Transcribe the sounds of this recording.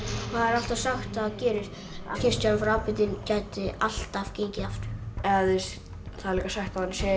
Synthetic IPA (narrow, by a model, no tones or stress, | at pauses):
θaðɛɾal̥t̪asaxt̪faðcɛːɾɪɾ̥ | a̰çɪrst̪anfɾaːwpɪt̪ɪncaːjt̪ɪal̥t̪av̥cejɲcɪaft̪ʏ̥ɾ̥ɛðɪs | θaðɛɾliːkasajxt̪̚kʰaðansɛ